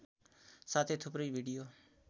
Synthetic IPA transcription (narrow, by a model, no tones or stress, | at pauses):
saːt̪ʰeːt̪ʰʊpɾeiːʋʱiːɖijoː